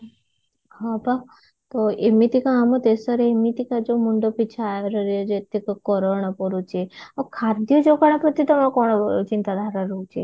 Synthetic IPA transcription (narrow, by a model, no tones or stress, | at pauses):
ɦaba | t̪oemit̪ikaamɔt̪esɔɾeemit̪ikad͡ʒomuɳɖopit͡ʃʰaɾəɾjod͡ʒet̪ikkɔɾɔɳ̃ɔpɔɾut͡ʃʰeakʰaɾd̪jɔd͡ʒokaɳ̃ɔpɾɔt̪it̪ɔmakɔɳ̃t͡ʃint̪ad̪ʱaɾaɾout͡ʃʰe